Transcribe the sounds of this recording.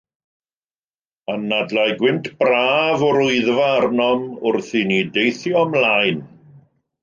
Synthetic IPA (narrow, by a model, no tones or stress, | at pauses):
anːadlajɡwɪntʰb̥raːvɔɾʊɨðvaːrnɔmʊrθinidejθjɔmlajn